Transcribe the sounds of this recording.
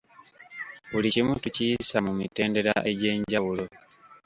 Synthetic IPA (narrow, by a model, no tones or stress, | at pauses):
βulicimuntucijisamumite̞ːnde̞ɾa̰ʔe̞ɟe̞ːɲɟawulo̞